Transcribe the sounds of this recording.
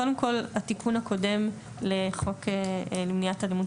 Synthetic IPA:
kode̞mko̞latikʰunhako̞de̞m | leχo̞kelemnijatalimu

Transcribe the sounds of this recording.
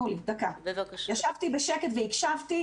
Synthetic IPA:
ulid̪akabevakʃjaʃavt̪ibeʃeket̪veikʃavt̪i

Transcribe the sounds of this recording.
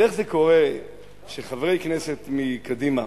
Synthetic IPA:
eχzeko̞ʁe | ʃeχavʁejknese̞t̪mikad̪ima

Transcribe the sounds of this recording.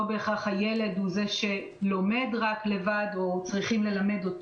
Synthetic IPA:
obeːχaχhaje̞le̞dhuze̞ʃe̞ | lo̞me̞dʁakle̞vado̞t͡sʁiχimle̞lame̞dot

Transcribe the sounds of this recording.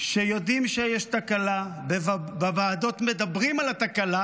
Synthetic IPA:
ʃejo̞d̪imʃejeʃt̪akalabeabavaːd̪o̞t̪me̞d̪abʁimalat̪akala

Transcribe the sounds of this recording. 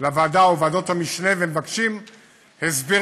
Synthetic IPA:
lavaːdaovado̞thamiʃnevemevakʃim | hezbi

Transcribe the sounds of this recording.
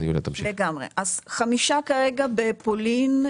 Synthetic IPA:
ijulḛt̪amleɡamʁḛʔazχamiʃakaʁe̞ɡabepolin

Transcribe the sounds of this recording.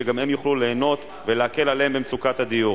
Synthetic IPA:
eɡamhemjuχlule̞ːno̞t̪ | veleake̞laleembemt͡sukat̪had̪iju

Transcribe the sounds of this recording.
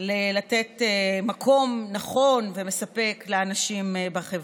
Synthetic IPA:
lelatet̪emakʰo̞mnaχo̞nveme̞sape̞kleanaʃimbaχeva

